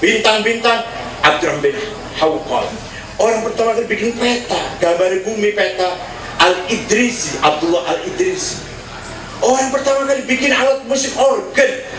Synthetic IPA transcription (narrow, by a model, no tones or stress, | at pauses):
b̥int̪aŋbint̪aŋ | ʔab̚d̪uɾambɛ | hawkɔ̰t̪ | oɾaŋpərt̪amakəɾibikɪnpɛt̪aɡ̥ambaɾibumipet̪a | alid̪ɾisiʔab̚d̪ulːɔhalid̪ɾisi̥ | ʔoɾaŋpərt̪amakərbikɪnawat̪̚musɪŋorɡən